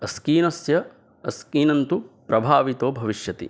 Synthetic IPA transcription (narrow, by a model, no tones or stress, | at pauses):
ɐskiːnɐsjɐ | ɐskiːnɐnt̪upɾɐbʱaːʋit̪oːbʱɐʋiʃjɐt̪ḭ